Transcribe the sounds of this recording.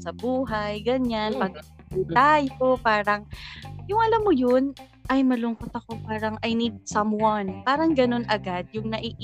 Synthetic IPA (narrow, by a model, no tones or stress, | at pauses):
sɐbuːɦɐjɡɐɲanpɐɡut̪aːjopaːɾɐŋjʊŋʔɐlamːojon | ʔɐjmɐlʊŋkot̪ɐko̞paːɾɐŋʔɐjnid̪̚sɐmwanpaːɾɐŋɡɐno̞nʔɐɡad̪̚jʊŋnɐʔiʔ